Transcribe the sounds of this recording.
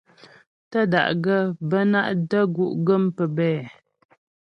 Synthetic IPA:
tə˦da̰˨ʔɡə˦bə˦na˦ʔdə˦ɡu˦˨ʔɡə˦mpə˨bɛː˦˨

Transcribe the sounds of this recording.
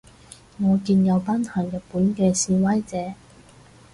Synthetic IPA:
ŋɔː˨˧kiː˧njɐ˨˧wpaː˥nt̪ʰaː˨˩jɐ˨t̚puː˨˥nkɛː˧siː˧wɐ˥jt͡sɛː˨˥

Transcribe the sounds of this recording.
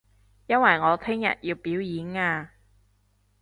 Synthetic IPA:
jɐ˥nwɐ˨˩jŋɔː˨˧t̪ʰɪ˥ŋjɐ̰˨t̚jiː˧wpiː˨˥wjiː˨˥naː˧

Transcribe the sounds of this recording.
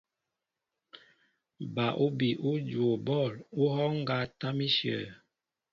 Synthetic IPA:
ba˨ʔu˦bi˨ʔu˦d͡ʒwo˨bɔ˦˨lu˦hɔ˦ŋ˦ɡa˨ta˦mi˦ʃjə̰˨

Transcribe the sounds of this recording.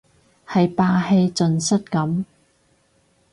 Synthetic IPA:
hɐ˨jpaː˧he˧jt͡sɵ˨nsɐ˥t̚kɐ˨˥m

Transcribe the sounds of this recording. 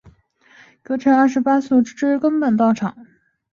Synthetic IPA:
kɤ˧˥ʈ͡ʂʰə˧˥ŋɐ˥˩ʂɻ̩˧˥pa˥su˥˩ʈ͡ʂɻ̩˥kə˥ŋpə˨˩nt̪ɑ˥˩ʊʈ͡ʂʰɑ˨˩˦

